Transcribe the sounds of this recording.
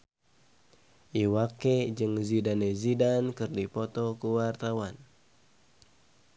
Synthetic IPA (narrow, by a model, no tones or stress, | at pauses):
ʔiwaked͡ʒɨŋzidanezidankɨrdipɔt̪ɔkuwart̪awan